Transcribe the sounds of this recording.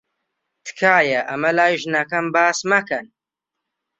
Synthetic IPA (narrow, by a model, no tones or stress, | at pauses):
t̪ʰkʰaːjɐʔɐmɐlaːjʒnɐkɐmbaːsmɐkɐn